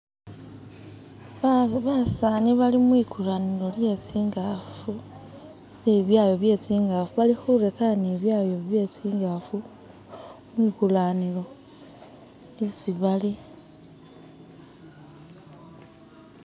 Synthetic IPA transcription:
βasaːniβalimwiːkulanilo̞lje̞t͡siːŋɡafu | niβjaːjo̞βje̞t͡siːŋɡafuβalixuɾekaniβjaːjo̞βje̞t͡siːŋɡafu | mwikulanilo̞ | esiβali

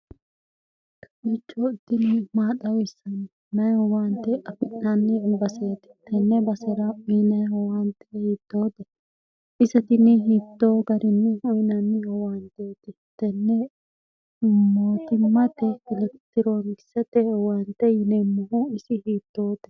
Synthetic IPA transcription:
kʰɐmit͡ʃʼːoːɪd̪ːɪnɪmaːt̪ɐwɪsɐnɪ | nɐjhɔwant̪ːɛʔɐfɪnːɐnːɪbɐseːt̪ɪ̥t̪ɛnːɛbɐsɛɾɐminɐjhɔwɐnt̪ːɛhiːd̪ːoːd̪ɛ | ɪsɛt̪ɪnɪɦiːt̪ːoːɡɐɾɪnːɛhʊmɪnɐnːɪhɔwaːnt̪eːt̪ɪ | t̪ːɛnːɛ | moːt̪ɪmːɐt̪ɛkɪlɛt̪ːɪɾoŋɡɪsɛt̪ɛhɔwant̪ɛjɪnɛmɔhuɪsɪhiːt̪ːoːd̪ɛ̥

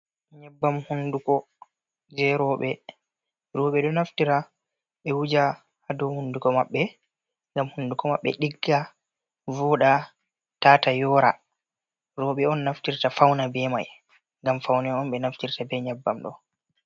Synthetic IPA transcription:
ɲɛbːamhundukɔ | d͡ʒɛɾɔːɓɛ | ɾɔːɓɛɗɔnaftiɾa | ɓɛwud͡ʒa | hadɔhundukɔmaɓːɛ | ŋɡamhundukɔmaɓːɛ̰ɗiɡːa | vɔɗa | taːtajɔɾa̰ | ɾɔɓɛɔnːaftiɾtafawnabɛmaj | ŋɡamfawnɛɔnɓɛnaftiɾtabɛɲabːamɗɔ̰

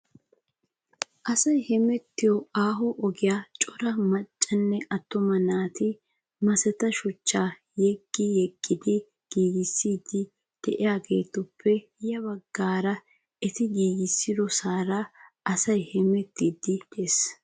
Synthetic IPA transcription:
ʔɐsɐjhɛmɛt̪ːɪjɔaːɦɔʔɔɡɪjaːt͡ʃʼːɔɾɐmɐt͡ʃʼːɐnːɛʔɐt̪ːɔmɐnaːt̪ɪ | mɐsɛt̪ɐʃʊt͡ʃːaː | jɛɡːɪjɛɡːɪd̪ɪ | ɡ̥iːɡɪsːiːd̪ɪ | d̪̥ɛʔɪjaːɡe̞ːt̪ːʊpʰːɛ | jɐbɐɡːaːɾɐ | ɛt̪ɪɡiːɡɪsːɪd̪ɔsaːɾɐʔɐsɐjhɛmɛt̪ːiːd̪ɪd̪es

